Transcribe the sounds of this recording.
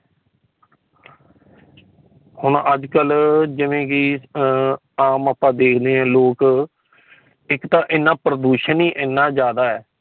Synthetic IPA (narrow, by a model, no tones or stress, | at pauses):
hʊɳəd͡ʒkəld͡ʒɪʋẽːkɪ | aːməpːãːd̪eːkʰd̪eːɦɛ̃ːloːk | ɪkt̪ãːʔɪnːãːpɾəd̪uːʃəniːʔɪnːãːd͡ʒjaːd̪aːɛː